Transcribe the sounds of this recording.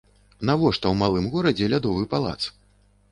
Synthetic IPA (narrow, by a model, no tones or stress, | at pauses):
navɔʂt̪ɐwmalˠɨmɣɔɾɐd͡zʲɛlʲad̪ɔvɨpalˠa̰t̪s